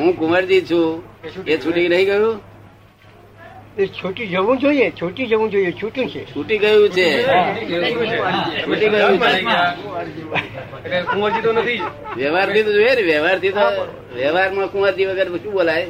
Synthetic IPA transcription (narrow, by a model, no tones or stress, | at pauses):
ɦũkuməɾd͡ʒit͡ʃʰũet͡ʃʰuʈinəɦĩɡəjũ | et͡ʃʰoʈũd͡ʒəʋũd͡ʒoijet͡ʃʰoʈĩd͡ʒəʋũd͡ʒoiet͡ʃʰuʈjũt͡ʃʰet͡ʃʰuʈiɡəjũt͡ʃʰe | t͡ʃʰt͡ʃʰuʈiɡəjũe | eekuməɾd͡ʒit̪onət̪ʰi | ʋjəʋaɾt̪ʰit̪od͡ʒoeneʋjəʋaɾt̪ʰit̪o | ʋjəʋaɾmãkʊməɾd͡ʒiʋəɡəɾʃũɓolaj